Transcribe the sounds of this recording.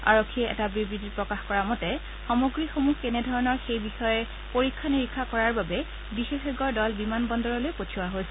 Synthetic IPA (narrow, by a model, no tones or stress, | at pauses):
a̰ɹokʰːiɛʔɛ̰tabɹibɹitipɹɔkaxkɔɹamɔtɛ | xɔmoɡɹixomuɦkɛnɛdʱɔɹɔnɔɹxejbixɔjɛ | poɹikʰːaniɹikʰːakɔɹaɹbabɛ | bixexeɡɔɹdɔlbimanbɔndɔɹɔlojpotʰuwaɦojsɛ